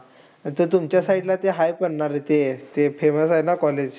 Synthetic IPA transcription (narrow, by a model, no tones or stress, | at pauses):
t̪əɾt̪umt͡ɕjasaiʈlat̪eɦajpəɳɳaɾet̪et̪efeməsajnakɔled͡ʑ